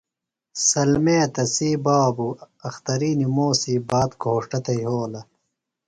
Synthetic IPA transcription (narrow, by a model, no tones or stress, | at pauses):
sɐlmeːt̪ɐsiːbaːbu | ɐxt̪ɐɾiːnimoːsiːbaːt̪ɡʱoːʂʈɐt̪ɐjɦoːlɐ